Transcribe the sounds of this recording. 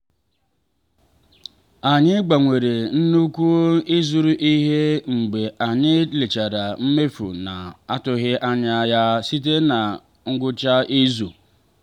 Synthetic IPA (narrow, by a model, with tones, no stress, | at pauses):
a˨ɲɪ˦ɡ͡ba˨ŋʷe˨ɾe˨n̩˦nu˦kʷu˦ɪ˦zu˨ɾu˦ʔi˦ɦe˦ŋ͡m̩˨ɡ͡be˨ʔa˨ɲɪ˦le˨t͡ʃa˨ɾa˨m̩˦me˦fṵ˨na˨a˦tʊ˦ɣɪ˦ʔa˦ɲa˦ja˦si˦t̬e˦na˨ | ŋ̩˦ɡʊ˦t͡ʃa˦ʔi˦zu˨